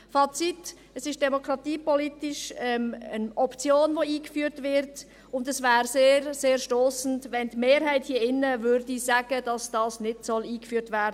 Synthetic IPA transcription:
fɑt͡sit | əsɪʃd̥ɛmokʁɑtiːpɔlitɪʃɛmənɔpt͡sjoːnvoːiːkfyːɾtvɪɾt | ʊndɛsvɛːɾseːɾseːɾʃtoːsn̩tvɛndmeːɾhaɪthiəɪnːəvʏɾdisaɡəd̥ɑsd̥ɑːsnɪdsɔliːkfyːɾtvɛːɾdə

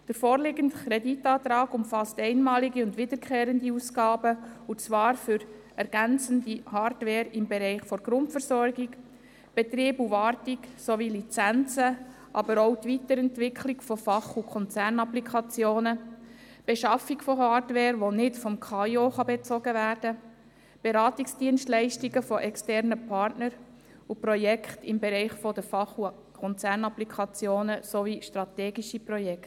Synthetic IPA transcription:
d̥əɾfɔːɾlɪɡəntkʰɾeditɑːt̪ɾɑːɡʊmfɑstɛɪnmɑːliɡiʊndʋɪdəɾkʰχeːɾəndiusɡɑːbəut͡sʋɑːɾfʏɾ | ɛɾɡ̥ænt͡səndihɑːɾdʋɛːɾɪmbɛɾɛɪχfɔɾɡɾʊntfəɾsɔɾɡik | b̥ɛt̪ɾiːbuʋɑːɾtiksoʋilit͡sænt͡sə | ʔɑbəɾowtʋitəɾɛntʋɪkʰliɡfɔfɑχukʰɔnt͡sæɾnɑplikʰɑt͡sjoːnə | b̥eʃɑfikfɔɦɑːɾdʋɛːɾʋonɪtfɔmkʰɑːioχɑbet͡sɔɡəvæːɾd̥ə | b̥eɾɑːtiksd̥iənstlɛɪʃtiɡəfɔʔɛkstɛɾnəpʰɑːrtnəɾ | upɾɔjɛkʰχtɪmbeɾɛɪχfɔdəfɑχu | kʰɔnt͡sæːɾnɑplikʰɑt͡sjoːnəsoviʃtɾɑt̪ɛːɡiʃipɾɔjɛkt

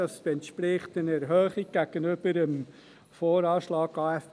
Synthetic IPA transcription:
ɑsɛntʃpɾɪχtənɛɾɦœːχiɡ̚ɡ̥æɡ̥ənʏb̥əɾəm | foːɾɑːʃlɑːɡɑːɛf

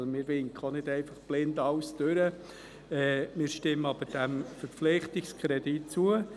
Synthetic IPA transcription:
mɪːɾʋɪŋkʰχəonɪdɛɪfɑχb̥lɪndɑwsd̥øɾə | ɛːmɪːɾʃtɪmːəɑb̥əɾd̥æmfəɾp͡fflɪχtɪkskʰɾɛdit̚t͡suə

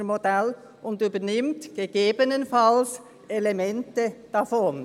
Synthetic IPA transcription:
modɛl | ʔʊndyːbənɪmtɡ̥eɡ̥eːbənənfals | elemɛntəd̥afɔn

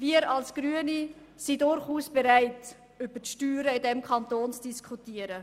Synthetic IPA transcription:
viːəɾɑlsɡ̥ɾyəni | sidʊɾχuːsb̥eɾaɪt | ʏb̥ətʃtyːɾəɪdɛmkʰɑntoːnt͡sd̥iskʰχutiːəɾə

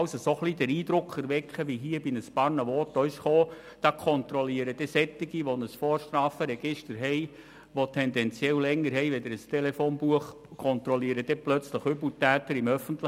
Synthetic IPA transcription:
səsoχlidæɾiːd̪ɾʊkʰːɛɾʋɛkχəʋiɦiːəbɪnəspɑɾnəʋɔːt̪œʏsχoː | d̥ɑkʰɔnt̪ɾɔliəɾəd̥ɛsɛt̪ːɪɡ̥iʋonəsfɔːɾʃtɾɑːfəɾɛɡ̥ɪʃtəɾɦɛɪ | ʋot̪ʰɛndɛnt͡sjɛllɛŋːəɾɦɛɪʋɛd̪ɪɾəstɛlɛfoːnbuəχ | kʰɔnt̪ɾɔliəɾəd̥̪ɛplœt͡sləχʏbutæːt̪əɾɪmœfənt̪lə

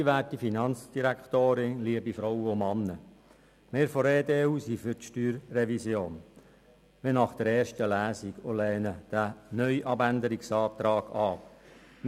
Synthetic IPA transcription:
ʋæːtifinɑnt͡sd̥iɾækt̪oːɾɪnliəbifɾɔwəʊmɑnːə | meːɾfɔɾeːdeːuːsifʏɾtʃtyːɾːɛvisjoːn | ʋenɑχd̥əɾɛːɾʃtəlæːsiɡolɛːnəd̥ænœʏʔɑbændəɾiksɑːt̪ɾɑːɡ̥ɑpm

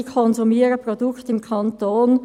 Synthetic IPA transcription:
kʰɔnzumiːəʁəpʁodʊktɪmkʰɑntoːn

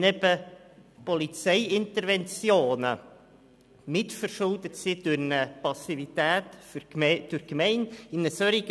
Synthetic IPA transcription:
nɛb̥ə | pɔlit͡sɛɪɪnt̪əɾvɛnt͡sjoːnə̰ | mɪtfəɾʃʊld̪ətsid̥ʊɾnəpɑsivit̪æːtfd̥ʊɾkmɛɪnɪnəsœɾiɡ

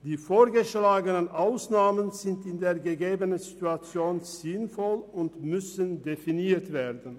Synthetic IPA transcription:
d̥iːfoːɐɡəʃlaːɡənənʔaʊsnaːmənzɪntɪndeːɐɡəɡeːbənənzituat͡sjoːnz̥ɪnfɔlʊntmʏsəndefiniːɐtv̥eːɐdn̩

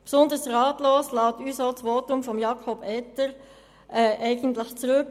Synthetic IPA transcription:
psʊnd̪əɾsʁɑːtloːslɑːtyːsoːt͡sʋoːtʊmfɔmjɑkʰɔbɛtəɾ | ʔɛːʔɛɪɡən̩tləxt͡sʁøk

